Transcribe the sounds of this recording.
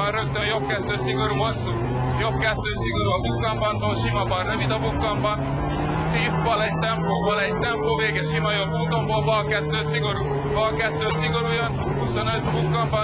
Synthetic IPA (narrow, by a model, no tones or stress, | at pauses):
ɒnrøkt̪ønjo̞b̚kɛt̪ːøːsiɡo̞ɾuːvosu | jobkɛt̪ːøːsiɡo̞ɾuɒbukːɒmbɒnt̪oːlʃimɒbɒnrøvid̪ɒbukːɒmbɒn | t̪iːzbɒlɛɟ̚t̪ɛmploːbɒlɛɟ̚t̪ɛmploːveːɡɛʃimɒjo̞bːuːt̪o̞mbolbɒlkɛt̪ːøːsiɡo̞ɾuː | vɒlkɛt̪ːøːsiɡo̞ɾujɒn | huso̞nøt̪bukːɒmb